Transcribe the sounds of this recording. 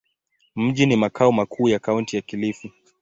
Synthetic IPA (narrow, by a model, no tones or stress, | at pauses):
m̩ʄinimakʰaɔmakʰuːjakauntijakilifi